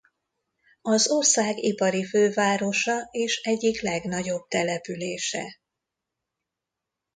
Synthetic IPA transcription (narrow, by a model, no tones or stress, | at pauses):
ɒzorsaːɡipɒɾiføːvaːɾo̞ʃɒeːʃɛɟːiklɛɡnɒɟo̞b̥̚t̪ɛlɛpyleːʃɛ̰